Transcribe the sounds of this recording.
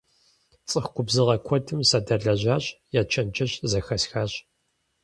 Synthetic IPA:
t͡sʼɨxkʷʊbzɨʁɐkʷʰɔtʰɨmsɐdɐɮɐʑaːɕjaːt͡ʃʰɐnt͡ʃɐɕzɐxɐsxaːɕ

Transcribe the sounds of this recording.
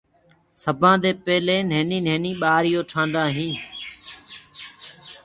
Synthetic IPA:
səbʱãːd̪eːpeːleːnẽːnĩːnẽːnĩːɓaːɾɪjoːʈʰãːnd̪ãːɦĩː

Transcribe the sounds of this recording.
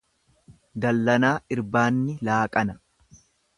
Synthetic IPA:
d̪ɐlːɐnaːʔɪɾbaːnːɪlaːkʼɐnɐ

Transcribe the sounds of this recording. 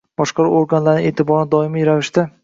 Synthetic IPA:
b̥ɒʃqɑɾʊoɾɡanlaɾnɪŋʔet̪ʰɪbɒɾnɪd̪ɒɪmijɾavɪʃt̪ɪ

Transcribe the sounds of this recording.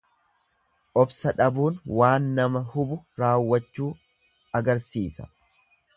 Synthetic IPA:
ʔɔbsɐᶑɐbuːnwaːnːɐmɐhʊbʊɾaːwːɐt͡ʃːuː | ɐɡɐɾsiːsɐ̥̰

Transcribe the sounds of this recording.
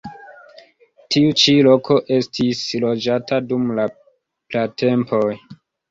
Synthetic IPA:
tʰiut͡ʃilo̞kʰo̞ʔe̞stʰislo̞d͡ʒatadumla | plate̞mpo̞j

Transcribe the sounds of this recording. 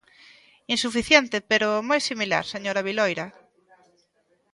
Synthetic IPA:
insufiθjɛnt̪epeɾʊmojsimila̰ɾseɲoɾaβilojɾa

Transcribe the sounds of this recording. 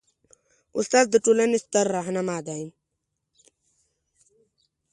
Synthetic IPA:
ṵst̪aːzd̪əʈulɐnist̪ɐɾːaɦnɐmaːd̪aim

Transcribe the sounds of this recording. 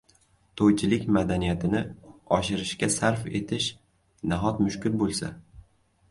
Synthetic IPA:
t̪ʰojt͡ʃʰɪlɪkʲmad̪anijat̪ʰɪnɪɒʃɪɾɪʃkʲasaɾfe̞̰t̪ʰɪʃ | naɦɒt̪mʊʃkʲʊɾbolˠsa̰

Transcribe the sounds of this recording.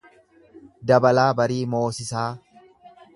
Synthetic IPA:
d̪ɐbɐlaːbɐɾiːmo̞ːsɪsaː

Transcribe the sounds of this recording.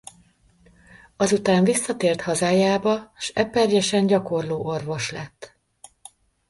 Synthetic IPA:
ɒzut̪aːɱvisːɒt̪eːrt̪hɒzaːjaːbɒʃɛpːɛrjɛʃɛɲɟɒko̞rloːʔo̞rvo̞ʃlɛt̪ː

